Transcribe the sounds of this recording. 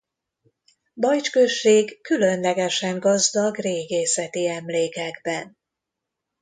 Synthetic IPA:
bɒjt͡ʃkøʃːeːɡːylø̞nlɛɡɛʃɛŋɡɒzd̪ɒɡreːɡeːsɛt̪iɛmleːkɛɡbɛn

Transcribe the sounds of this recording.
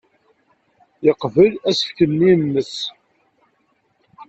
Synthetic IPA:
jəqːvəlæsə̥ftənːinːəs

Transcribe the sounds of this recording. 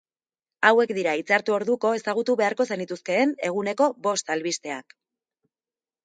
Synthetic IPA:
awe̞kd̪iɾait͡saɾt̪uo̞ɾðuko̞e̞saɣ̞ut̪uβe̞aɾko̞senit̪uske̞ːne̞ɣ̞une̞ko̞bo̞st̪alβist̪e̞ak

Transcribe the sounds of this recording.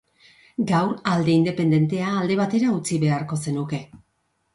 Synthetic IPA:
ɡawɾald̪e̞ind̪e̞pe̞nd̪e̞nt̪e̞aːld̪e̞β̞at̪e̞ɾaut͡siβe̞aɾko̞se̞nuke̞

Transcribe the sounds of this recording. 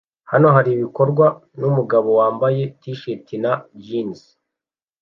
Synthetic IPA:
hano̞ɦaɾiβiko̞ɾɡwanumuɡaβo̞waːmbaje̞tiʃetinabjiːnzi̥

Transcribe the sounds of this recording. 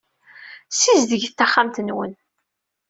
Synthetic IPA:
sizðəʝθtːæχːamt̪ənwə̰n

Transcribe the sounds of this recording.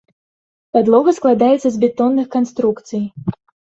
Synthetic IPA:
pad̪lˠɔɣɐsklˠad̪ajɛt̪sɐzbʲɛt̪ɔnːɨxkanst̪ɾukt̪sɨj

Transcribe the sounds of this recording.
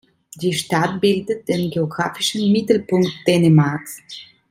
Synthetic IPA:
d̥iːʃtat̚b̥ɪldət̚d̥eːnɡeoɡʁaːfɪʃn̩mɪtl̩pʊŋktd̥ɛːnemaɐks

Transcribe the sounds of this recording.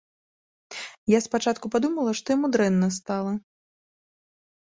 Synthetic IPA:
jaspat͡ʂat̪kupad̪umɐlˠɐʂt̪ɔjamud̪ɾɛnːɐst̪alˠɐ

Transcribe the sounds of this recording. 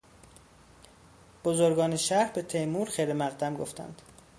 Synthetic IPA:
b̥ozoɾɡɒːneʃæɾhbe̞t̪ʰejmuːɾxejɾemæʁd̪æmɡoft̪æ̰nd̪̥

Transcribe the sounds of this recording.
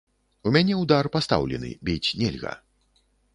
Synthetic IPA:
umʲanʲɛwd̪arpast̪a̰wlʲɛ̰nɨ̰bʲit͡sʲnʲɛlʲɣɐ̰

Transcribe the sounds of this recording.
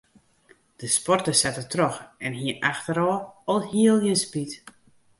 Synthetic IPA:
d̥əspɔrtəsɛtətroxɛnɦiəʔaxtəɾɔːɔlˠhiəlˠjənspit

